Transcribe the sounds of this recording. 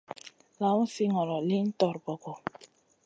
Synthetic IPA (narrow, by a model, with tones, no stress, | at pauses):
la˨˦u˦si˦ŋɔ˨lɔ˨li˦n̩˦tɔ˨ɾbɔ˨ɡɔ˨